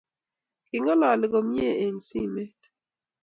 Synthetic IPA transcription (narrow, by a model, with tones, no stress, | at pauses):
kɪ˨ŋɔ˦lɔ˨lɪ˦ɡo˨mje˦˨e˨ɲsi˦me˦t